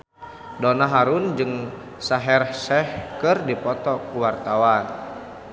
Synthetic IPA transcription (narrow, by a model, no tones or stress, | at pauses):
dɔnaɦaɾund͡ʒɨŋ | saɦɛrhsɛhkɨrdipɔt̪ɔkuwart̪awan